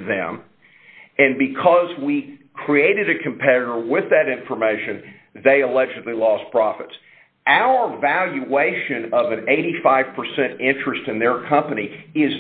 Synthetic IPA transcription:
ðɨ̰̃m | ɨ̃nbɨkʰʌzwikʰɹ̥ieɪɾɨɾɨkʰɨ̃m̩pʰɛɾɨɾə˞wɪðɨɾɪ̃ɱfə˞meɪʃɨ̃n | ðeɪəlɛd͡ʒɨdˡlilɔspʰɹ̥ɑfɨts | ʔaʊə˞vælˠjɨeɪʃɨ̃nʌvɨ̃neɪɾifaɪv̥pʰə˞sɛ̃ntɪ̃nt͡ʃɹ̥ɨstɨ̃nðə˞kʰʌ̃mpɨniɪz

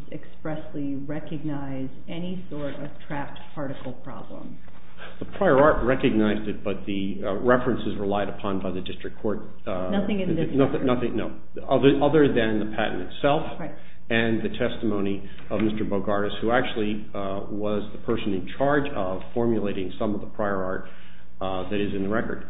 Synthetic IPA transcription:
ɨkspɹɛsli | ɹɛkɨɡ̚naɪz | ɛnisɔɹɾʌv̥tʰɹ̥æf̚tpʰɑɹɾɨkl̩ˠpʰɹ̥ɑ̰blə̰̃m | ðəpʰɹ̥aɪə˞ɑɹt̚ɹɛkɨɡ̚naɪzdɨt̚b̥ʌt̪̚ðɨ | ɹɛfɹɨ̃nsɨzɹəlaɪɾɨpʰɑ̃nbaɪðɨdɪstɹ̥ɨkʰːɔɹt̪̚ | nʌθɪ̃ŋɨ̃nðɪnʌnʌθɪ̃ŋnoʊ | ʌðə˞ʔʌðə˞ðɨ̃nðɨpʰæʔn̩tɨtsɛlˠf | ɨ̃nðɨtʰɛstəmõʊ̃ñi | ʌvmɪstə˞boʊɡɑɹɨshuæk̚t͡ʃʉl̩ˠi | wʌzðəpʰɜ˞sɨ̃nɨ̃nt͡ʃʰɑɹd͡ʒʌv̥fɔɹmjɨleɪɾɪ̃ŋsʌ̃mʌvðəpʰɹ̥aɪə˞ɑ̰ɹt̪̚ | ðɨɾɨzɨ̃nðəɹɛkə̰˞d̥̚

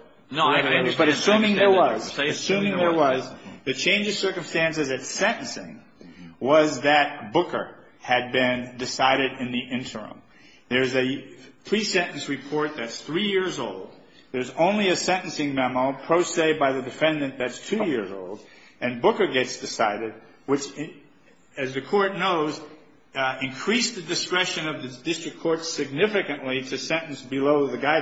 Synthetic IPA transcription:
nbʌɾɨssũmɪ̃ŋðə˞wʌzɨsʉ̃mɪ̃ŋðə˞wʌzðɨt͡ʃʰẽɪ̃nd͡ʒɨv̥sɜ˞kɨ̃mstæ̃nsɨzɨtsɛ̃ɾ̃n̩sɪ̰̃ŋ | wʌzðɨt̚b̥ʊkə̰˞ | ɨd̚bɪ̃ndɨsaɪɾɨɾɨ̃nðiʔɪ̃ntʰə̰̃˞m | ðə˞zɨpʰɹ̥isɛ̃nʔn̩sɹɨpʰɔɹt̪̚ðɨtsθɹijɪɹzoʊlˠd̚ | ðə˞zõʊ̃nliɨsɛ̃ñn̩sɪ̃ŋmɛmopʰɹ̥oʊseɪbaɪðɨdɨfɛ̃ndɨ̃nðɨtstʰʉjɪɹzo̰ʊlˠd | ɨ̃nbʊkə˞ɡɛtsd̥ɨsaɪɾɨd̚ | wɨt͡ʃ | ɨzðɨkʰɔɹtⁿnoʊz | ɨ̃nkʰɹ̥isðɨdɨskɹɛʃɨ̃nʌvðɨdɪstɹ̥ɨkʰɔɹtsɨɡ̚nɪfɨkɨ̃nʔliɾɨsɛ̃nn̩sb̥ɨloʊðɨɡaɪ

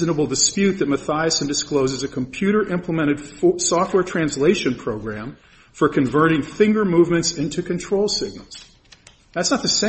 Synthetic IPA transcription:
znəbl̩ˠdɨspjʉt̪̚ðɨt̚mɨθaɪɨsɨ̃ndɨskloʊzɨzɨkʰə̃m̩pʰj̥ʉɾə˞ʔɪ̃mpʰləmɛ̃ɾ̃ɨd̥sɔft̚wɛɹtʰɹ̥æ̃nsleɪʃɨ̃npʰɹ̥oʊɡɹæ̃ɱ | fə˞kʰɨ̃ɱvɜ˞ɾɪ̃ŋθɪ̃ŋɡə˞muvmɨ̃ntsɪ̃ntʰʉkɨ̃ntʰɹ̥oʊlˠsɪɡ̚nəl̩ˠz̥ | ðætsnət̪̚ðɨsẽ

